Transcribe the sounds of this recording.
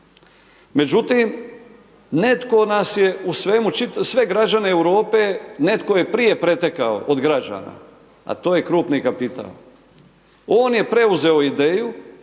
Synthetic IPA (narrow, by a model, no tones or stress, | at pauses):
me̞d͡ʒut̪im | ne̞t̪ko̞nasje̞usʋe̞mut͡ʃit̪sʋe̞ɡɾad͡ʒane̞ːwɾo̞ːpe̞ne̞t̪ko̞je̞pɾije̞pɾe̞t̪ekao̰ʔod̪ɡɾad͡ʒa̰na̰ | a̰t̪o̞ːje̞kɾuːpnikapit̪a̰ːl | oːnje̞pɾe̞uze̞o̞id̪e̞ːju